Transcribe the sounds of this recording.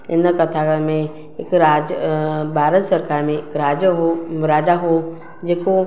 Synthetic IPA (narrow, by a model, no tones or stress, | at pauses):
ɪnəkət̪ʰakəmẽ | ɪkɾaːd͡ʒbʱaːɾət̪səɾkaːɾmẽkɾaːd͡ʒɦoɾaːd͡ʒaɦo | d͡ʒeko